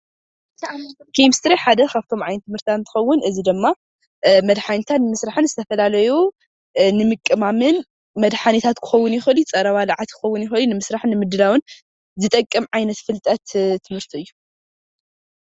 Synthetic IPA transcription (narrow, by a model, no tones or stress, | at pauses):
kʰejmst̪ɾiħad̪ɐkʰaβt̪ʰo̞mʕajnɨt̪ʰːɨmhɨɾt̪ant̪ʰɨ̥xɐwːʊnʔɨzid̪ɨmːa | mɐd̪ħanit̪ʰat̪nɨmɨsɾaħɨnzɨt̪ʰɐfɐlalɐju | nɨmɨkʼːɨmamɨn | mɐd̪ħanit̪ʰat̪kʰɨ̥xɐwʊnjɪxɨlit͡sʼɐɾɐβalaʕat̪kʰɨ̥xɐwːʊnjɪxɨlinɨmɨsɾaħnɨmɨd̪ɨlawɨn | zɨt̪ʼɐkʼːɨmʕajnɐt̪fɨlt̪ʼɐt̪t̪ʰːɨmhɨɾt̪ʰiɨjːu